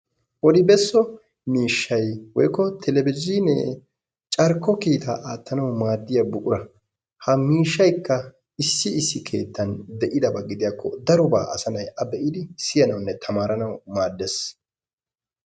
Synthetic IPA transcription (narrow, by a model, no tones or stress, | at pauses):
wɔd̪ɪbɛsːɔ | miːʃːɐjwɔjkːɔt̪ʰɛlɛbɪzinɛ̰ | t͡ʃʼɐɾkːɔkiːt̪ʰaʔaːt̪ːɐnɐwmaːd̪ːɪjɐbʊʔʊɾɐ | hɐmiːʃːɐjkːɐ | ɪsːɪɪsːɪkʰe̞̰ːt̪ːɐnd̪ɛʔɪd̪ɐbɐɡɪd̪ɪjaːkːɔ̰d̪ɐɾʊba̰ːʔɐ̰sɐnɐjɐbɛʔɪd̪ɪsɪjɐnɐwnːɛt̪ʰɐmaːɾɐnɐwmaːd̪ːɛs